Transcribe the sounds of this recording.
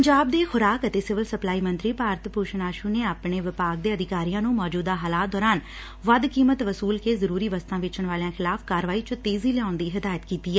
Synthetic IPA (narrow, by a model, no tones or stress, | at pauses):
əɲd͡ʒaːb̚d̪eːxʊɾaːkət̪eːsɪʋəlsəplaːiːmənt̪ɾiːpaːɾt̪puːʃnaːʃuːneːaːpɳeːʋɪpaːɡ̚d̪eːəd̪ɪkaːɾijãːnũːmɔːd͡ʒuːd̪aːɦaːlaːt̪̚d̪ɔːɾaːn | ʋəd̪kiːmət̪ʋəsuːlkeːzəɾuːɾiːʋəst̪ãːʋɪt͡ʃəɳʋaːleãːxʰɪlaːfkaːɾʋaːiːt͡ʃət̪eːziːlɪãːʊnd̪iːɦɪd̪aːjət̪kiːt̪iːɛː